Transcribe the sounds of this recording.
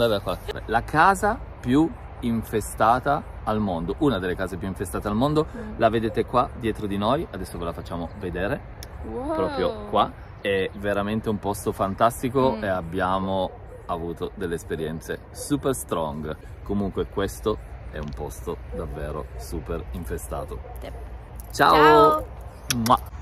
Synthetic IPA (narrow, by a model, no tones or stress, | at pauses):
d̪aakːwakːaɾḛlakʰaːzapju | iɱfest̪aːt̪aːlmond̪oʔunad̪elːekaːzepjuiɱfest̪aːt̪ealmond̪olaved̪eːt̪ekwad̪jɛːt̪ɾod̪inojad̪ɛsːovelafat͡ʃːaːmoved̪eːɾe | pɾɔːpɾjokwa | ɛveɾament̪eumpɔst̪ofant̪ast̪ikoeabːjaːmo | avuːt̪od̪elːespeɾjɛnt̪se | suːperst̪ɾɔŋɡ | komuŋkwekwest̪oɛumpɔst̪od̪avːeːɾo̰suːperiɱfest̪a̰ːt̪o | t͡ʃaːo